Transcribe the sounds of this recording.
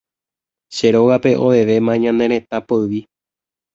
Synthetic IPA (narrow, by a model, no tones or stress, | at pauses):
ʃe̞ɾo̞ɣape̞ʔoʋe̞ʋe̞mãɲãnẽ̞ɾ̃ẽ̞t̪apoɨʋi